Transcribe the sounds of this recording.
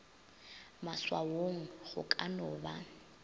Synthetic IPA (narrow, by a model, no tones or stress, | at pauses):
maswawoŋ̩ɣʊ̰kʼanɔːba